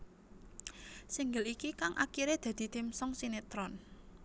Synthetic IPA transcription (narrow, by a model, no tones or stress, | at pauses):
siŋɡəlikikaŋʔa̰kiɾed̪̥ä̤d̪̥i̤t̪imsɔŋsinet̪ɾɔn